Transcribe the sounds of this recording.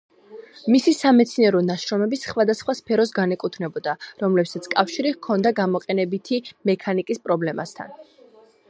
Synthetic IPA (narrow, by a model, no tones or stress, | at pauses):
misisamɛt̪sʰniɛɾɔnaʃɾɔmɛbisχwad̪asχwaspʰɛɾɔs̬ɡanɛkʼut̪ʰnɛbɔd̪aɾɔmlɛpsat̪sʰkʼafʃiɾikʰɔnd̪aɡamɔqʼɛnɛbit̪ʰimɛkʰanikʼispʼɾɔblɛma̰st̪ʰa̰n